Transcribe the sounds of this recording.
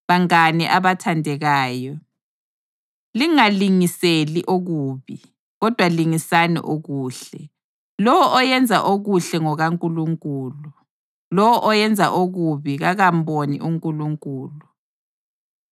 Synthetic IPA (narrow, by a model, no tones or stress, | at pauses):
βaŋaniʔaβatʰandʱɛɣaːjɔ | liŋaliŋiseliʔoɣuːβi | ɣɔd̥ʱwaliŋisanɛ̰ʔoɣuːɬɛ | lɔwɔʔɔjɛnd͡zʱa̰ʔoɣuɬɛŋɔɣaŋkʼuluŋkʼuːlu | lɔwɔʔɔjɛnd͡zʱa̰ʔoɣuβiɣaɣam̩bonḭʔuŋkʼuluŋkʼuːlu